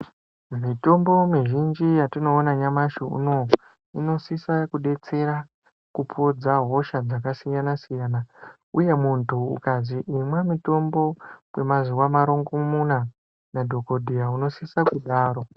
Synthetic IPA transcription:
mito̞mbo̞miʒind͡ʒijatino̞ːnaɲamaʃiṵno̞ | ino̞sisakuɗe̞t͡se̞ɾa | kupʰod͡zaɦo̞ʃad͡zakasijanasijaːna | uje̞muntʰṵːkaziʔimwemito̞mbo̞wwe̞maziwamaɾo̞ŋɡomuna | nadʱo̞ko̞dʱijauno̞sisakuɗaːro̞

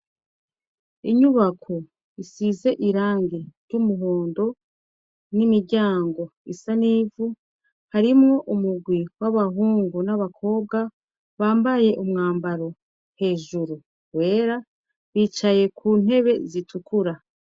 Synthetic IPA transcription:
iɲuβakʰo | isize̞ʔiɾaːŋɡeɾɟumuɦoːndo̞ | nimiɾɟaːŋɡo̞isaniːvu | haɾimŋo̞ʔumuɡwiwaβaɦuːŋɡunaβakʰo̞ːb̚ɡa | βaːmbaje̞ʔumŋaːmbaɾo̞ | he̞ːʒuɾu | we̞ːɾa | βiːt͡ʃaje̞kʰuːn̥he̞βe̞zitʰukʰuɾa

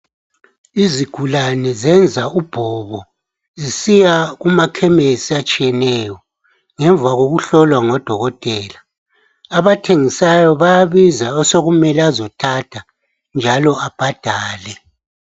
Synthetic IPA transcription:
iziɡ̥ʱulanɛzɛnd͡zʱaub̥ʱɔβɔ | zisijaɣumakʰɛmesiat͡ʃʼijɛnɛjɔ | ŋɛɱvaɣoɣuɬɔlwaŋɔd̥ʱɔɣɔtʼɛːlaː | βatʰeŋisajɔβajaβizaɔsoɣumɛlazɔtʰatʰa | nd͡ʒʱalɔab̥ʱad̥ʱaːlɛ

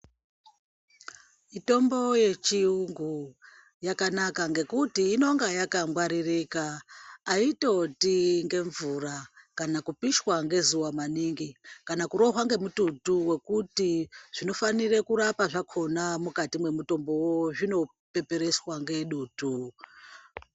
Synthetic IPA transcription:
mito̞mbo̞je̞t͡ʃiuŋɡu | jakanakaŋɡe̞kutiːno̞ŋɡajakamɡwaɾirikaː | ito̞tiŋɡe̞ɱvurakanakupiʃwaŋɡe̞zuwamaniŋɡikanakuɾo̞ɦwaŋɡe̞mututuwe̞kutiʐ̥ino̞fanirekuɾapaʐakʰo̞namukatimwe̞muto̞mbo̞woʐino̞ | pe̞pe̞ɾe̞swaŋɡe̞ɗuːtu

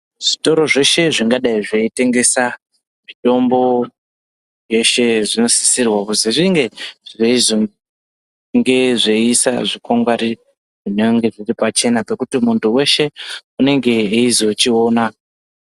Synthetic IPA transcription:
ʐ̥ito̞ɾo̞ʐe̞ʃe̞ʐiŋɡaɗaiʐeite̞ŋɡe̞sa | mito̞mbo̞ | je̞ʃe̞ʐino̞si̥sirwakuziʐiŋɡe̞ʐeiz | ŋɡe̞ʐeisa̰ʐikoŋɡwaɾi | ʐineŋɡe̞ʐiripat͡ʃe̞napekutimuntuwe̞ʃe̞une̞ŋɡe̞izot͡ʃio̞ːna

